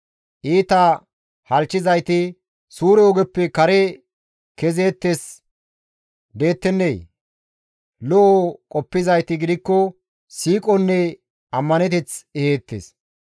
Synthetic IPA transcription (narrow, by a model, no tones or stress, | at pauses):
ʔiːt̪ɐ | hɐlt͡ʃːɪzɐjt̪ɪ | suːɾɛɔɡɛpːɛkɐɾɛ | kɛze̞ːt̪ːes | d̪e̞ːt̪ːɛnːej | lɔʔokʼɔpːɪzɐjt̪ɪɡɪd̪ɪkːɔ | siːkʼɔnːɛ | ɐmːɐnɛt̪̬ɛt͡sɛheːt̪ːḛs